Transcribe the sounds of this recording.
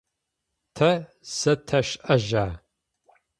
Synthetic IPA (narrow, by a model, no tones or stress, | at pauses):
tʰɐ | sɐtʰɐʃʔɐʒaː